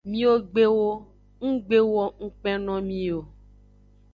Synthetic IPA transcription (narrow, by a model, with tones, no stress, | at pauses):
mĩ˦wo˦ɡ͡be˦wo˦ | ŋ̩̃˦ɡ͡be˦wɔ˦ŋ̩̃˦k͡pɛ̃˦nɔ̃˦mĩ˦o˨